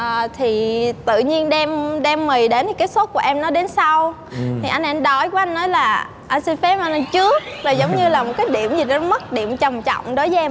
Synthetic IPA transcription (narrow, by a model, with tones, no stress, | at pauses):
əː˨˩t̪ʰi˨˩t̪ɨ̰˧˨ɲi˧ənɗɛ˧mɗɛ˧mːi˨˩jɗe˨˦nt̪ʰi˨˩kaː˨˦jso˦˥t̚ku˧˩əʔɛ˧mnɔ˨˦ɗe˨˦nsa˧w | t̪ʰi˨˩ʔa˧jn̟ʔɛ˧nɗɔ˧˩jku˨˦ʔa˧jŋ̟ːɔ˨˦jlaː˨˩ | ʔa˧jnsi˧fɛ˨˦˥ma˧na˧t͡ɕɨ˦˥ək̚laː˨˩zə˨˦wŋ͡mɲɨ˧laː˨˩mo˨˩t̚kaː˨˦jɗḭ˧˨əmzi˨˩ɔ˨˦mə˦˥t̚ɗi˧˨əmt͡ɕə˨˩wŋ͡mt͡ɕɔ̰˧˨wŋ͡mɗo˨˦jvə˨˦ʔɛ˧m